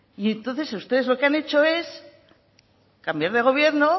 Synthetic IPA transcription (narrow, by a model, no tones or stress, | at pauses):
ie̞nt̪onθe̞saust̪e̞ðe̞zlo̞keane̞t͡ʃo̞e̞s | kambjaɾðe̞ɣ̞o̞β̞je̞ɾno